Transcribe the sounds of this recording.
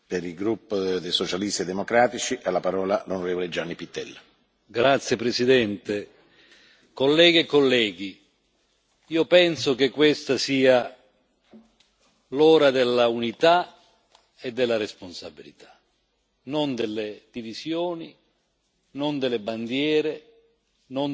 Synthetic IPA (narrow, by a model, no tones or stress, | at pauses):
peɾilɡɾupːod̪ejsot͡ʃalist̪ied̪emokɾaːt̪it͡ʃiʔalːapaɾɔːlalonoɾeːvoled͡ʒanːipit̪ːɛlː | ɡɾat̪sːjepɾesid̪ɛnt̪e | kolːɛːɡiekːolːɛːɡi | iːopɛnsok̟ekːwest̪asiːa | lɔːɾad̪elːaunit̪a | ed̪ːelːaɾesponsabilit̪ʰḁ | nond̪elːed̪̥ivisjoːni | nond̪elːeband̪jɛːɾe | non